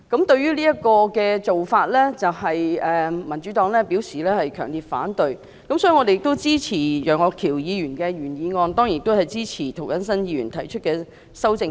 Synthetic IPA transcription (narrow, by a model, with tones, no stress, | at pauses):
kɐ˨˧˥mt̪ɵ˧ɥɥyː˥liː˥jɐ˥t̚kɔː˧kɛː˧t͡so˨wfaː˧t̚lɛː˥t͡sɐ˨wɦɐ˨jɛː˨mɐ˨˩nt͡ʃy˨˥t̪ɔː˨˥ŋlɛː˥piː˨˥wsiː˨˩lɛː˥hɐ˨jkʰœ̰ː˨˩ŋliː˨t̚fa̰ː˨˥nt̪ɵ˨ɥ | kɐ˧msɔ˧˥y˨˩ŋɔ˨˧te˨jɪ˨k̚t̪o˥wt͡siː˥t͡sʰiː˨˩jœː˨˩ŋɔː˧kʰiː˨˩wjiː˨˧jyː˨˩nkɛː˧jyː˨˩njiː˨˧ŋɔː˧nt̪ɔː˥ŋji˨ɪ˧kt̪o˥whɐ˨jt͡siː˥t͡sʰiː˨˩t̪ʰo˨˩wkɐ˨˥nsɐ˥njiː˧y̰ː˨˩nt̪ʰɐ˨˩jt͡ʃʰɵ˥t̚kɛː˧ | sɐ˥wt͡sɪ˧ŋ